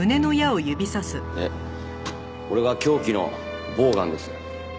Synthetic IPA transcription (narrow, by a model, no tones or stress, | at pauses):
ɯ̟ne̞no̞jao̞jɯ̟bʲisasɨe | ko̞ɾe̞ɡakʲo̞ːkʲino̞̰ | bo̞ːɡã̰nd̪e̞sɨ̥